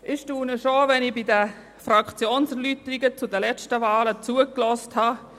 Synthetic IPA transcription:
ʔɪʃtuːnəʃoʋɛnibidə | frakt͡sjoːnsəɾlyt̪əɾɪɡət͡sʊdəlɛt͡ʃtəvaːlət͡suəklɔsthɑ

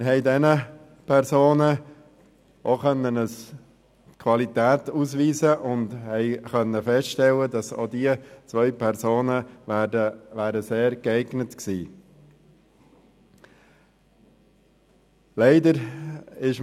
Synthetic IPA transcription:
ɦɛɪdɛnə | pʰɛɾsoːnə | ʔoχœnːənəs | kʰʋɑlit̪æːtusʋiːzəʔʊndhɛɪχœnːəfɛstʃtɛlːədɑso̰ːdiət͡sʋœʏpʰɛɾsoːnəəʋæːɾəseːɾɡ̥ɛɪɡnətksiː | lɛɪdəɾɪʃ

